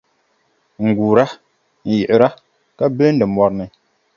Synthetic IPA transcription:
ŋ̩˨ɡu˨ɾa˦ | n̩˨ji˨ʔɾa˦ | ka˦bə˦ndə˨mwa˦ɾnə˨

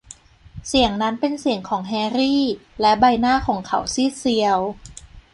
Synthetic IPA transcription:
si˨˩˦əŋna˦˥npe˧nsi˨˩əŋkʰɔː˩˦ŋɦɛː˧ɾiː˥˩lɛ˦˥ba˧jnaː˥˩kʰɔː˩˦ŋkʰa̰˧˩wsiː˥˩si˧əw

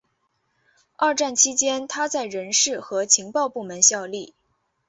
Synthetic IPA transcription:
a˥˧ʈ͡ʂa˥˩nt͡ɕʰi˥t͡ɕjɛ˥nt̪ʰa˥t͡sa˥˩ɪɻə˧˥nʂɻ̩˥˩xɤ˧˥t͡ɕʰi˧˥ŋpɑ˥˧ʊpu˥˩mə˧˥nɕjɑ˥˧ʊli˥˩

